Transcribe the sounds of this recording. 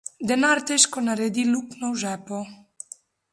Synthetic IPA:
d̪ɛnaɾt̪ɛʃkɔnaɾɛd̪iluknɔwʒɛpɔ

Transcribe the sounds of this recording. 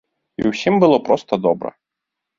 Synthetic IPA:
ḭwsʲimbɨlˠɔpɾɔst̪ɐd̪ɔbɾɐ̰

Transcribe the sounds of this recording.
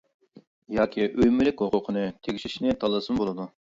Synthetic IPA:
jɑːkʲʰiʔøjmylɪkʲɦoqʰʊqʰənɨt̪ʰeɡʲiʃiʃnɪt̪ʰɑlˠːɨsɨnbolˠɨd̪u

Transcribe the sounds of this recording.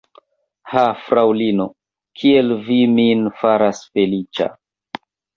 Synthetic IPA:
hafɾawlino | kʰielviminfaɾasfe̞lit͡ʃa̰

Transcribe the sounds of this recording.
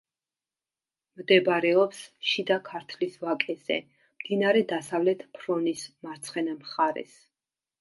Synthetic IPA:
md̪ɛbɾɛɔpsʃid̪akʰaɾt̪ʰlisvakʼɛzɛ̰ | md̪̥inaɾɛd̪asavlɛt̪ʰpʰɾɔnismaɾt̪sʰχɛnamχaɾɛ̰s

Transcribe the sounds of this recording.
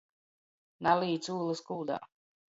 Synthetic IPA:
naliːt̪suːlˠɨskuːd̪a̰ː

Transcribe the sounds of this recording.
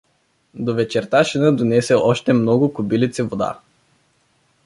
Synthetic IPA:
d̪ovɛt͡ʃɛɾt̪aʃinəd̪onɛsɛʔɔʃt̪ɛmnɔɡʊkʊbilit̪sivod̪a̰

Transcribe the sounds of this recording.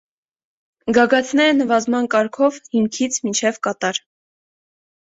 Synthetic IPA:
ɡɑɡɑt̪ʰnɛɾənəvɑzmɑnkɑɾkʰɔvhimkʰit͡sʰmint͡ʃʰɛvkɑt̪ɑɾ

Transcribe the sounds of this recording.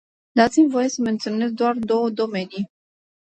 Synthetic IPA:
d̪ɑt͡sʰimvɔjɛsəmɛnt͡s̪unːɛzd̪wɑɾd̪ɔd̪ɔmɛni

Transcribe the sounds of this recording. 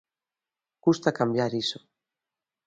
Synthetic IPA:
kust̪akambjaɾiso̥

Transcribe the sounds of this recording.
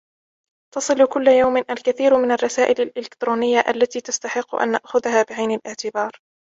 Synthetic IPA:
t̪ɑsˤɨlʊkʊlːajawmɪnʔalkaθiːɾmɪnarˤːɑsaːʔɪlalʔɪlɪkt̪ɾuːnɪjːaʔalːat̪iːt̪ast̪aħɪqːʊʔa̰nːa̰ʔxʊðahaːbɪʕajnalʔɪʕt̪ɪbɑːɾˤ

